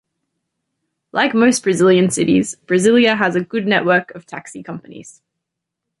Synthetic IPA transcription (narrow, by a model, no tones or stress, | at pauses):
lʔaɪkməʊsb̥ɹəzɪlˠjə̃nsɪɾḭz̥b̥ɹəzɪljəəzəɡʊdⁿnɛʔwɜˑkəv̥tʰa̰ksikʰʌ̃mpənḭz̥